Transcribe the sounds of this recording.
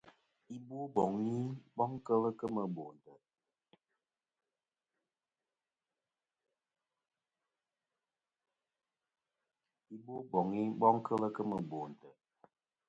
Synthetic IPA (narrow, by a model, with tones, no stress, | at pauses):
i˦bwo˦bɔ˨ŋi˦bɔ˦ŋkə˦lə˦kə˦mə˨bo˨n˨tə˨ | i˦bo˦bɔ˨ŋi˦bɔ˦ŋkʰə˦lə˦kə˦mə˨bo˨n˨tə˨